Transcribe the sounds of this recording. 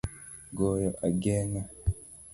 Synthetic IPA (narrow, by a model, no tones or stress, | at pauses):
ɡoːjoʔaɡeːna